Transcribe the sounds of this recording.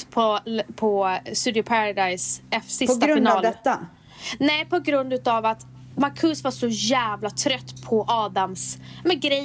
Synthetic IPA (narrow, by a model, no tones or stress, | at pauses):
pʰɔpʰɔst̪ʉːd̪ɪʊpʰaɾad̪ajsɛfsɪpt̪aɾɪnɑːlɛt̪ːa | nɛpʰɔɡɾɵnd̪ʉ̟ːt̪avat̪ | maɾkʰɵsvaʂɔjæːvlat̪ʰɾœt̪ːpʰɔʔɑːd̪amsmɛɡɾɛ